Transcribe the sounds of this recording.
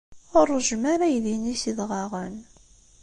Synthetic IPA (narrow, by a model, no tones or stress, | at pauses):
ʊrˤːʒmaɾæjðinisiðʁɑʁən